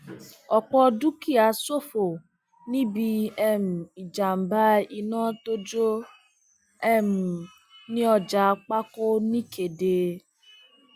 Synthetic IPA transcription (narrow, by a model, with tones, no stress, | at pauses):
ɔ˨k͡pɔ˦du˦ki˦˨a˨so˦fo˨ | ni˦bi˦ɛ˦m̩˨i˨d͡ʒa˨m̩˨ba˦i˦nɔ̃ː˦to˦d͡ʒo˦ | ɛ˦m̩˨ | nɪ̃˦ɔ˨d͡ʒa˨k͡pa˦kʊ˦ni˦kʰe˨deː˨